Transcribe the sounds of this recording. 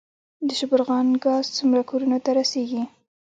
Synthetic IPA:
d̪əʃʊbʊɾɣɑnɡɑzt͡sumɾakoɾunat̪aɾaseɡi

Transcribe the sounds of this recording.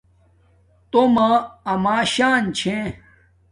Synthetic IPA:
t̪omãɐmaːɕaːnt͡ɕʰẽ

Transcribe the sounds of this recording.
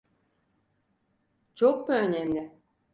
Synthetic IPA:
t͡ʃʰok̚buønɛmlʲɪ

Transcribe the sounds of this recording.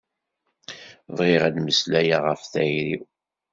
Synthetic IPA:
ðˤʁiʁæd̪məslæjaʁəfθæjɾiw

